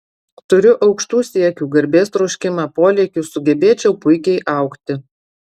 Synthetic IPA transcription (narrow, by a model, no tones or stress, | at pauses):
t̪ʊɾʲʊʔɒʊkʃt̪uːsʲiɛkʲuːɡɐɾʲbʲeːst̪ɾɔʊʃʲkʲɪmɑːpoːlʲɛkʲʊsʊɡʲɛbʲeːt͡ʃʲɛʊpʊɪkʲɛɪʔɑˑʊkt̪ʲɪ